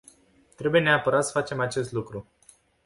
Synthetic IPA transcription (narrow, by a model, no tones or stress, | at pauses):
t̪ɾe̞buje̞neapəɾat̪sə̥fat͡ʃe̞mat͡ʃe̞s̬t̪lukɾu